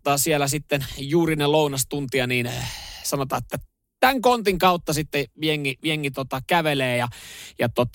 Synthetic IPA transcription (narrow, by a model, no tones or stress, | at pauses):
t̪ɑːsielæsit̪ːenjuːrinelounɑst̪unt̪iɑniːnsɑnot̪ɑːet̪ːæ | t̪æŋkont̪iŋkɑut̪ːɑsit̪ːeʋieŋːiʋieŋːit̪ot̪ɑkæʋeleːjɑjɑt̪ot̪